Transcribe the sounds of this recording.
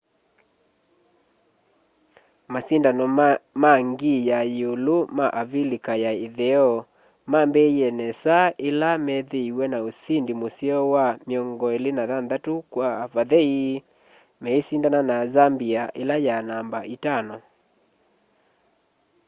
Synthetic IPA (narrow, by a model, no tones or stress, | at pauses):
masindanɔmaŋɡijajolomaʔavilikajaeðɛɔ | mambɛiɛnɛsaʔelamɛðeiwɛnaosindimosjɔwamjɔŋɡɔelenaðanðatukwavaðɛi | mɛesindananazambiaʔelajanambaitanɔ